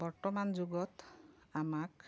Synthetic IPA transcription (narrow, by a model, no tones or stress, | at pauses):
bɔɹtɔmanzuɡɔt | amak